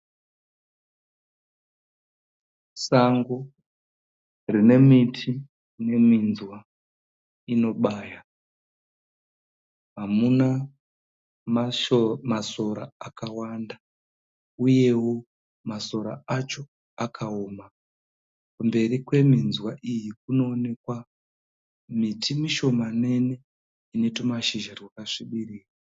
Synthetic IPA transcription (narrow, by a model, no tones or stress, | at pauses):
saŋɡo | rine̞mitʰi | ne̞minzwa | ino̞ɓaːja | ɦamuna | maso̞ɾa̰akawanda | uje̞wo̞ | maso̞ɾa̰at͡ʃo̞ | akʰaoːma | kumbe̞rikwe̞minzwaʔijik̚uno̞ːne̞kwa | mitʰimiʃo̞mane̞ne̞ | ine̞tomaʃiʒarwakaʂiɓiriːra